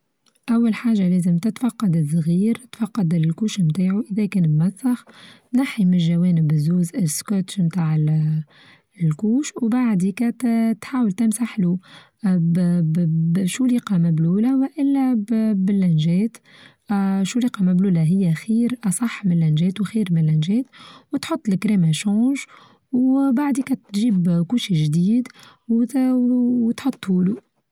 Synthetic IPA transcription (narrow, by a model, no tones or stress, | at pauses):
ʔæwːalħaːʒːalɛːzəmt̪ɪt̪fɑqːɑd̪ɪzˤɣiːɾt̪fɑqːɑd̪ɪlkuːʃmt̪aːʕuʔəðɛkɛːnmmæθːɑx | naħimɪlʒæwɛːnɪbzːuːzɪskɑt̪ʃmt̪aːʕ | lkuːʃwbaʕd̪ikɛːt̪t̪ħaːwəlt̪ɪmsaħlu | ʃuliːqɑmæbluːlawʔɪlːæbɪlːænʒɛːt̪ | ʃuliːqɑmæbluːlæɦɪjːæxiːɾʔɑsˤɑħːmɪnlːænʒɛːt̪wxiːɾmɪnlːænʒɛːt̪wt̪ħʊt̪ˤːlɪkɾɛːmæʃɑ̃ːʒ | wbaʕd̪ikɛt̪ːʒiːbkuːʃiʒd̪iːd̪ | w | wt̪ħot̪ˤːuːlu